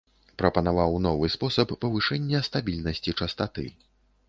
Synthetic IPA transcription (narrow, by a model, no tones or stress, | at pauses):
pɾɐpɐnavawnɔvɨspɔsɐpːɐvɨʂɛnʲːɐst̪abʲilʲnɐsʲt͡sʲit͡ʂɐst̪at̪ɨ̰